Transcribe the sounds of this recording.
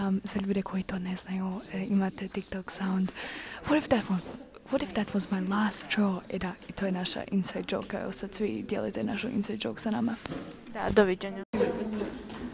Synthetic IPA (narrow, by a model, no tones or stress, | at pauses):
z̥aʎuːd̪ekʰo̞jit̪o̞ːne̞znajuimat̪et̪ik̚t̪oksawnd̪wɔɾifd̪æt̪wɔz | wɔtifd̪æt̪wɔzmajlˠaːst̪ʃoːɛd̪ait̪ʰojenaʃa̰ʔinsajd̪̚d͡ʒo̰ːkaɛ̰osad̪sʋid̪jelṵjt̪enaʃuʔḭnsajd̪d͡ʒoːku̥sanamad̪a̰d̪oʋid͡ʑeɲa